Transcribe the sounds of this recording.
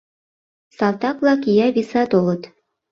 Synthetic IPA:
sɑlˠt̪ɑklˠɑkʲijɑβʲisɑt̪olˠɤ̆t̪

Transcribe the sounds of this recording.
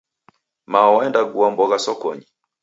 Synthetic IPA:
maɔwaɛndaɡuambɔɣasɔkɔ̰ɲi

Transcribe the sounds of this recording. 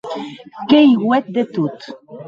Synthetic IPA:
kejwɛt̪̚d̪et̪ut̪

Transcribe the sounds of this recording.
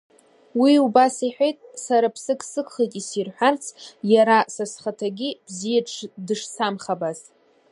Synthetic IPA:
wiubasiħʷᶣejtʼsaɾapʰsɨkʰʼsɨkʰʼχijtʼisirħʷᶣart͡sʰjaɾasasχatʰaɡʲib̥zijaʈ͡ʂʰdɨʂsamχabaz

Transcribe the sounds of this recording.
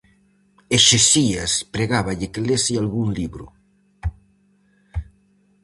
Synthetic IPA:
eʃesiaspɾeɣaβaʎekelesialɣuŋliβɾṵ

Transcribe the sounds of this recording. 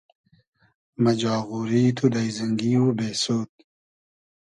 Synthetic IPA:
mɐd͡ʑɑːɣuɾiːt̪ʰud̪ajzɐŋɡiːwubeːsoːt̪̚

